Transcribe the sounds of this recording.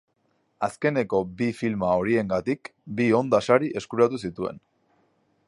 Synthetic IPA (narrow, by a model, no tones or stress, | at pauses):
aske̞ne̞ko̞bifilmao̞ɾie̞ŋɡat̪ikbio̞nd̪asaɾiʔe̞skuɾat̪us̬it̪ue̞̰n